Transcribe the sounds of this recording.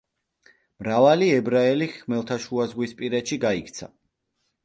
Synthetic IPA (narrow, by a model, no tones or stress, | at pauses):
mɾavaliɛbɾaɛliχmɛlˠt̪ʰaʃuazʁwispʼiɾɛt̪ʃiɡaikʰt̪sʰa̰